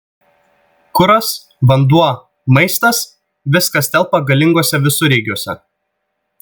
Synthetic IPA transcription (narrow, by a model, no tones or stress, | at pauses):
kʊɾɐs | ʋɐnd̪uɔ | mɐɪst̪ɐs | ʋʲɪskɐst̪ʲɛlˠˑpɐɡɐlʲɪŋɡoɔsʲɛʋʲɪsʊɾʲɛːɡʲuɔsʲɛ̰